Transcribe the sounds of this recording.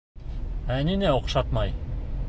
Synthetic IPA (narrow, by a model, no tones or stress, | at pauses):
æninæoqʃɑt̪mɑj